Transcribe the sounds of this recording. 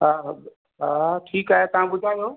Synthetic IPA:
ɦaːɦ | ɦaːʈʰiːkaːɦet̪ɐʋ̤ãbʊd͡ʒʱaːjoː

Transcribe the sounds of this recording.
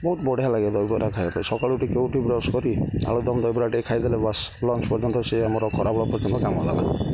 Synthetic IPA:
bɔɦut̪bɔɽeɦalaɡed̪ɔjbɔɾakʰajbapaɾisɔkaɭuʈikeuʈibɾɔskɔɾia̰ɭud̪ɔmd̪ɔjbɔɾaʈikʰajd̪ɛlebaslɔnt͡ʃpɔɾd͡ʒɔnt̪ɔseamɔɾɔkʰɔɾabɔɭɔpɔɾd͡ʒɔnt̪ɔkamɔla̰la̰

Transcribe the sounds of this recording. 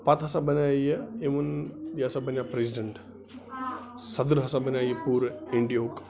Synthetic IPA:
pɐt̪ɦɐsabɐnajəemunbiɐsabɐnjapɾes̬iɖeɳʈ | sɐd̪ɾɦɐsabɐnjajəpuːɾiɳɖijoːk

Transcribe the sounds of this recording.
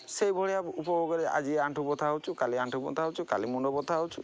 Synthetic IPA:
sejbʱɔɽɛjaupɔbɔɡɔɾɛa̰d͡ʒieaɳʈʰubɔt̪ʰaut͡ʃʰukaliaɳʈubɔ̰t̪ʰaut͡ʃʰukalimunɖɔbɔt̪ʰawt͡ʃʰu

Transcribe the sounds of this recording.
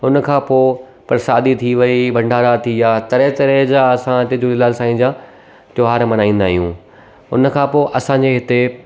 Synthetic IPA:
ɦʊnəkʰãːpoː | pɐɾsaːd̪it̪ʰiʋɐibʱɐ̃ɳɖʱaːɾat̪ʰiaːt̪ɐɾet̪ɐɾed͡ʑaːɐsãɪt̪ed͡ʑolɪlaːlsãːĩːd͡ʑãː | t̪oɦaːɾmɐnaːĩːnd̪aːɦijũː | ʊ̰nkʰãːpoːʔɐsãɲd͡ʑeːɦɪt̪e

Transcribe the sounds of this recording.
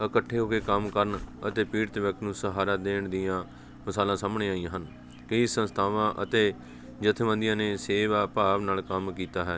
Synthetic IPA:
əkəʈʰːeːɦoːkeːkəmkəɾəɳət̪eːpiːɾt̪ʋək̚t̪nũːsəɦaːɾaːd̪eːɳd̪ɪjãː | məsaːlãːsaːmɳeːaːiãːɦən | kəisə̃nst̪ʰaːʋãːʔət̪eː | d͡ʒət̪ʰʋə̃nd̪ɪjãːneːseːʋaːpaːʋnaːlkəmkiːt̪aːɦɛː

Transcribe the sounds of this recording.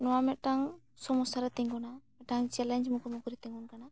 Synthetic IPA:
nɔwamɛt̪̚ʈaŋ | sɔmɔsaɾat̪ɛɲɡɔnamɛʈaŋt͡ʃɛlɛɲd͡ʒmukuɾmukuɾit̪ɛŋɡunkana

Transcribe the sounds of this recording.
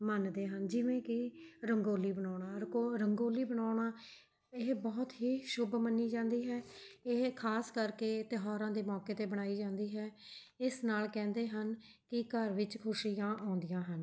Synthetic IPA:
mənd̪eːɦənd͡ʒɪʋẽːkɪɾəŋɡoːliːbəɳaːɳaːɾoɾəŋɡoːliːbəɳaːɳaː | ɪɦbɔːt̪ɦeːʃʊbmənːiːd͡ʒãːnd̪iːɦɛːɪɦkʰaːskəɾkeːt̪ɪɦaːɾãːd̪eːmɔːkeːt̪eːbəɽ̃aːiːd͡ʒãːnd̪iːɦɛː | ɪsnaːlkɛ̃ːnd̪eːɦən | kɪkəɾʋɪt͡ʃkʰʊʃiːãːʔɔ̃ːnd̪ɪjãːɦən

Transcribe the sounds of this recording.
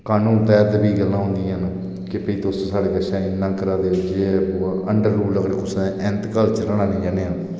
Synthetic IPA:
kaːnũːpɛːt̪biːɡəlːãːɦʊ̃nd̪ĩːən | kɪpəiːt̪osõːsaːɽeːkəʃãːɪnːãːkəɾaːd̪eːʊd͡ʒeːoəɳɖəɾːuːləɡɽkʊsɛ̃ʔɪnt̪kəlt͡ʃələɳaːnĩːd͡ʒaːneːãː

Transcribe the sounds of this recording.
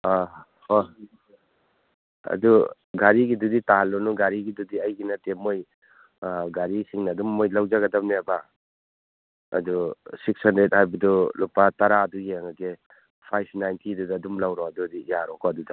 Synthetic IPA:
a | ho | ɐ̰du | ɡaɾiɡiduditaɦalːɔnuɡaɾiɡidudiɐjɡinatemoj | ɡaɾisiŋnɐːdumːojlawd͡ʒaɡɐdap̚neaba | ɐ̰dusik̚sandɾet̚hajbɐdulupataɾaɐdujeŋaɡe | pʰajpʰnajntʰidudɐːdumlawɾɔɐdudijaɾɔkɔɐduda

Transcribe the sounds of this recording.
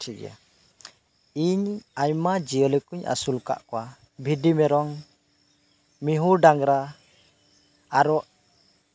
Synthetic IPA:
ʈʰiɡɛ̰ja̰ | iɲajmad͡ʒijələkuɲa̰sulka̰ʔkɔwa | bʱidimɛɾɔŋ | miɦuɾɖaŋɾa | ɾɔʔ

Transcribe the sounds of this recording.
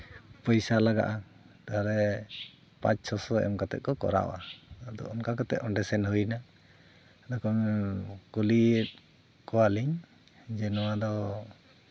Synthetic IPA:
pɔjsalaɡa̰ʔa | t̪aɦaɾɛ | pã̰t͡ʃsɔsɔɛ̰mkat̪ɛ̰ʔ̪̚kɔkɔ̰ɾa̰w̰ad̪ɔ̰ʔɔmkakat̪ɛ̰ʔɔɳɖɛsɛnhujna | d̪ɔkɔnkuliɛt̪̚ | kɔwaliɲ | d͡ʒɛnɔwad̪ɔ

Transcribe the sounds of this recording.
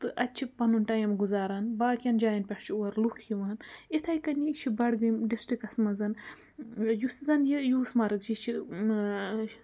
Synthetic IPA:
t̪ɨʔɐtʲt͡ʃʰipɐnunʈɐjɐmɡuzaːɾanbaːkʲjɐnd͡ʒaːjɐnpʲɐʂt͡ʃʰiuɐɾlukʰjiʋaːnit̪ʰɐːjkɐnit͡ʃʰibɐɽɡɨmɖisʈikɐsmɐzɐn | jusizɐnjijuːsmɐɾɨkd͡ʒit͡ʃʰi

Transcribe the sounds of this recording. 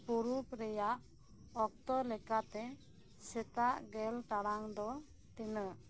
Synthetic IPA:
puɾupɾɛjaʔ | ɔk̚t̪ɔlɛkat̪ɛ | sɛt̪aʔɡɛlʈaɽaŋd̪ɔ | t̪ɛnəʔ

